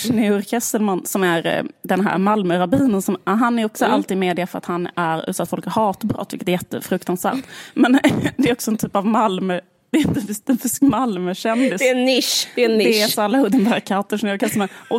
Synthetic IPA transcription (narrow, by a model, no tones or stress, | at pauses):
ʂnɛɾkʰɛst̪ːəlmansɔmæɾd̪ɛnɦæ̰ːɾmalmœɾabiːnənsɔmɦanːæɾɔksɔalt̪iːd̪meːd̪ɪafœɾa̰t̪hanːæɾʉ̰ːt̪sat̪fɔlkæɾhɑːt̪bɾɔ̰t̪ːvɪ̰kːət̪ɛɾjɛt̪ːə̰fɾɵkt̪ansvæ̰ːɾt̪mɛnd̪ɛɾɔksɔɛnt̪ʰyːpavmalmœ | d̪̥ɛjɪnt̪əfɪst̪ɛnfɪskmalmœɕɛnd̪ɪsɪd̪ɛɛsalːahɵd̪ɛnd̪æːɾkʰat̪əʂnɪʉɾkɛst̪əlmanɔ